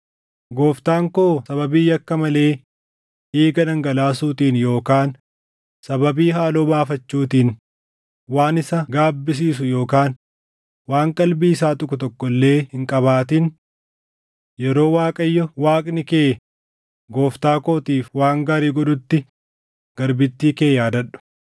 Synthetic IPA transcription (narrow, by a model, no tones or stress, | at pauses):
ɡo̞ːft̪aːŋkoːsɐβɐbiːjɐkːɐmɐle̞ː | ʔeːɡɐnɐŋɡɐlaːsuːt̪iːnjo̞ːkaːn | sɐbɐbiːɦaːloːbaːfɐt͡ʃːuːt̪iːn | waːnɪsɐɡaːbːɪs̬iːsʊjo̞ːkaːn | waːŋkʼɐlbiːsaːt̪ʼʊkʊt̪ɔkːɔlːe̞ːhɪŋkʼɐβaːt̪in | jɛɾo̞ːwaːkʼɐjːɔwaːkʼnɪke̞ː | ɡo̞ːft̪aːko̞ːt̪iːfwaːŋɡaːɾiːɡɔᶑʊt̪ːɪ | ɡ̥ɐɾbɪt̪ːiːkeːjaːd̪ɐᶑʊ̥